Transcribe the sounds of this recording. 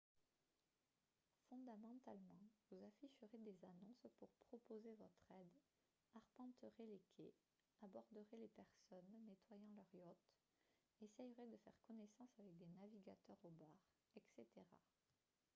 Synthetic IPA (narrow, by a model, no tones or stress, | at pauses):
fɔ̃d̪amɑ̃t̪almɑ̃vuzafiʃəʁed̪ezanɔ̃spuʁpχɔpozevɔt̪χɛd̪ | aʁpɑ̃t̪əʁelekʲʰḛ | abɔʁd̪əʁelepɛʁsɔnːet̪wajɑ̃lœʁjɔt̪ | esɛjʁed̪əfɛ̰ʁkɔnesɑ̃savɛk̚d̪enaviɡat̪œʁobaʁ | ɛkset̪eʁa̰